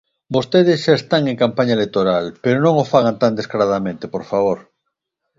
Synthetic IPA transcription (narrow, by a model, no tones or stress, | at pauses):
bost̪eð̞esʃaest̪aŋeŋkampaɲaelet̪oɾalpeɾonõŋofaɣant̪and̪eskaɾað̞amẽnt̪epoɾfaβ̞oɾ